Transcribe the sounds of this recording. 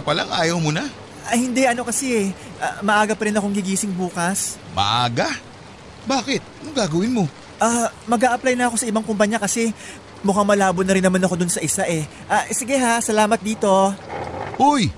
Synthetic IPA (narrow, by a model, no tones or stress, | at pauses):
pɐlaŋʔa̰ːjɐwmona | ahɪnd̪ɛʔɐno̞kɐsɛɛ | ʔamɐʔaːɡɐpɐɾɪnɐko̞ŋɡɪɡiːsɪŋbuːkɐs | mɐ̰ʔaːɡa | baːkɪt̪̚oŋɡaːɡɐwɪnmo̞ | ʔaːmɐɡaːʔɐplɐjnɐɐko̞sɐʔɪbaŋkʊmpɐɲakɐsɛ | mʊkaŋmɐlaːbonːɐɾɪnːɐmanɐko̞d̪ʊnsɐʔɪsaʔɛ | ʔasɪɡɛɦasɐlaːmɐt̪̚d̪iːt̪o̞ | ʔoj